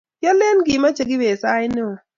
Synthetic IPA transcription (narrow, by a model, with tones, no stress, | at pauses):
jɔ˦le˦nɡɪ˨ma˦t͡ʃe˨ɡɪ˦be˨sa˦ɪ˦ne˦o˨